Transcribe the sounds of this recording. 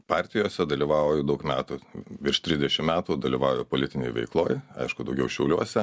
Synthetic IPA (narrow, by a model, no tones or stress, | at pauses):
pɑːɾʲt̪ʲɪjoːsʲɛd̪ɐlʲiːʋɑːojod̪ɐʊkmʲæːt̪uːʋʲɪrʃt̪ʲɾʲɪzdʲɛʃʲɪmmʲæːt̪uːd̪ɐlʲiːʋɑːʊjoːpoːlʲɪt̪ʲɪnʲɛ̰ɪʋʲɛ̰ɪklˠoːjɐ̰ɪʃkʊd̪ɐʊɡʲɛʊʃʲɛʊlʲuɔsʲɛ